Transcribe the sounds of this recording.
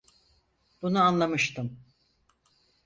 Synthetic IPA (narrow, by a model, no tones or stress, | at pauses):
b̥unuanlˠamɯʃt̪ʰɯm